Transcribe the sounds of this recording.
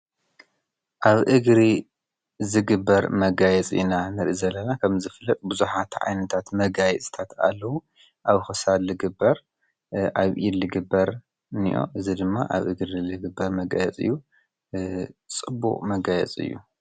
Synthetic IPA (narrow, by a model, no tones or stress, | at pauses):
ʔaβʔɨɡɾi | zɨɡɨbːɐɾmɐɡajɛt͡sʼḭnanɐɾʔizɐlːɐnakʰɐmzɨflːɐt̪ʼbuzuħat̪ʕa̰jnɐt̪ʰat̪mɐɡajɛt͡sʼɨ̥t̪ʰat̪a̰lːɐwu | ʔaβxɨsalɨɡɨbɐɾ | ʔaβʔilɨɡɨbːɐɾ | nḭʔo̞̰ʔɨzid̪ɨmːa̰ʔa̰βʔɨɡɾilɨɡɨbːɐɾmɐɡa̰jɛt͡sʼɨ̰jːu | t͡sʼɨbːṵχʼmɐɡajɛ̰t͡sʼɨ̰jːṵ